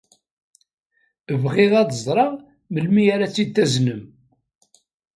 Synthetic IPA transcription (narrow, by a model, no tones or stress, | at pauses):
əvʁɪʁæðəzˤɾˤɑʁ | məlmijaɾæt͡sːid̪θæznəm